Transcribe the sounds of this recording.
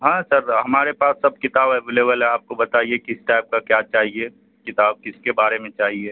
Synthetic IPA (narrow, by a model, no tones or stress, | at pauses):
ɦãːsɐɾɦɐmaːɾepaːsːɐb̚kɪt̪aːbɦɛʋɪleːbəlɦɛ̃aːp̚kobɐt̪aːiekɪsʈaːb̚kakjat͡ʃaːɦie | kɪt̪aːb̚kɪskebaːɾemẽt͡ʃaːɦie